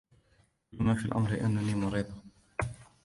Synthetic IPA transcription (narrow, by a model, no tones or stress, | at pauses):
lamafilʔa̰mɾlɪʔanːaniːmʊɾiːd̪ˤɑ